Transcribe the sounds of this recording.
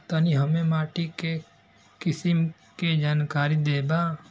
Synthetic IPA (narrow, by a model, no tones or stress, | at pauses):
t̪aniɦəmẽmaːʈike | kɪsɪm | ked͡ʒaːnkaːɾid̪eːba